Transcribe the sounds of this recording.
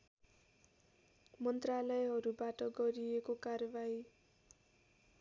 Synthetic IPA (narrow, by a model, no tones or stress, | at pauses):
mʌnt̪ralʌjɦʌɾubaʈʌɡʌɾiekokarbaj